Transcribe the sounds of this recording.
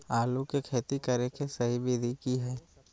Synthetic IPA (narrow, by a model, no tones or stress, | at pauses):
aːlukekʰeːt̪ikɐɾekesɐɦibɪːd̪ʱikiɦɛː